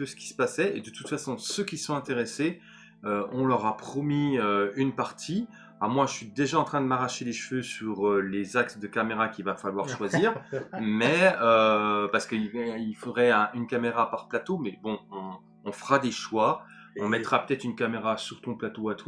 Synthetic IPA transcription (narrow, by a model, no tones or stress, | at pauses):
əsə̥kʲi̥sə̥pasɛed̪ət̪ut̪fasɔ̃søkʲisɔ̃ɛ̃t̪eʁese | øɔ̃lœʁapχɔmiøynpaʁt̪ʰi | amwãʒəsɥid̪eʒaɑ̃t̪χɛ̃d̪əmaʁaʃeleʃføsyʁølezaksd̪əkameʁakʲivafalwaʁʃwaziːʁmɛøpaʁsə̥kəiilfod̪ʁɛɛ̃ʔynkameʁapaʁplat̪omɛbɔ̃ɔ̃ː | fəʁad̪eʃwa | ɔ̃mɛt̪ʁapø̥t̪ɛt̪χynkameʁasyʁt̪ɔ̃plat̪oat̪wa